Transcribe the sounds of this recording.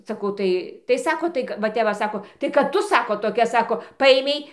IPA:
sɐˈkɐʊ ˈtɐɪ tɐɪ ˈsɑːkoː ˈtɐɪ kɐ ʋɐ ˈtʲɛp ʋɐ ˈsɑːkoː tɐɪ kɐt ˈtʊ ˈsɑːkoː toːˈkʲɛ ˈsɑːkoː ˈpɐeːmʲɛɪ

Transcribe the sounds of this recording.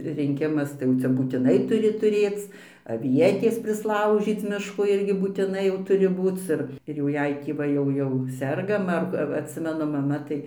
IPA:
rʲɪŋʲˈkʲɪmɐs tɐɪ ˈjɛʊ t͡sʲɛ buːtʲɪˈnɐɪ tʊˈrʲɪ tʊˈrʲeːt͡s ɐˈʋʲiɛtʲeːs pʲrʲɪsˈlˠɐʊʒʲiːt͡s ˈmʲɪʃkoː ˈɪrʲɡʲɪ buːtʲɪˈnɐɪ jɛʊ ˈtʊrʲɪ ˈbuːt͡s ɪr ɪr jɛʊ ˈjɛɪ tʲiː ˈʋɐ jɛʊ ˈjɛʊ ˈsʲɛrɡɐm ɐr ʋɐ ɐtʲˈsʲɪmʲɛnʊ mɐˈmɐ ˈtɐɪ

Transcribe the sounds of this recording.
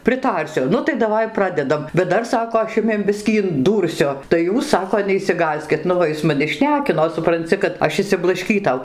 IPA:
pʲrʲɪˈtɐrʲsʲʊ ˈnʊ tɐɪ dɐˈʋɐɪ ˈprɑːdʲɛdɐm bʲɛt ˈdɐr ˈsɑːkoː ɐʃ ˈjʊmʲiɛm ˈbʲɪsʲkʲiː ɪnˈduːrʲsʲʊ tɐɪ ˈjuːs ˈsɑːkoː nʲɛɪʃʲsʲɪˈɡɑːsʲkʲɪt ˈnʊ ʋɐ ˈɪs mɐˈnʲɪ ˈʃʲnʲæːkʲɪnoː sʊprɐnʲˈt͡sʲɪ kɐt ˈɐʃ ɪʃʲsʲɪblˠɐʃʲˈkʲiːtɐʊ

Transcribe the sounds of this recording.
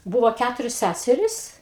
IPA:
ˈbuːʋoː ˈkʲætʊrʲoːs ˈsʲæsʲɛrʲɪs

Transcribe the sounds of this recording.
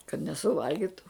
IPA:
kɐt nʲɛsʊˈʋɐlʲɡʲɪtʊ

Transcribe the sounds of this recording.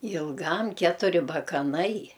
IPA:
ɪlˠˈɡɐm ˈkʲæːtʊrʲɪ bɐkɐˈnɐɪ

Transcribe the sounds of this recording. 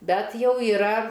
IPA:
ˈbʲɛt ˈjɛʊ iːˈrɐ

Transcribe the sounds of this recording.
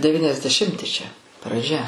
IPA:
dʲɛʋʲɪnʲɛzʲdʲɛˈʃʲɪmʲtʲɪ t͡ʃʲɛ prɐˈd͡ʒʲɛ

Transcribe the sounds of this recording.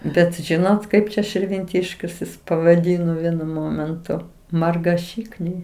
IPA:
ˈbʲɛt ˈʒʲɪnoːt ˈkɐɪp t͡ʃʲɛ ʃʲɪrʲʋʲɪnʲˈtʲɪʃʲkʲʊs jɪs pɐʋɐˈdʲiːnoː ˈʋʲiɛnʊ ˈmoːmʲɛntʊ mɐrɡɐˈʃʲiːknʲɛɪ

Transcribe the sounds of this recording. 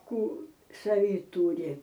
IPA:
ˈkuː sɐˈʋʲiː ˈtuːrʲɪ

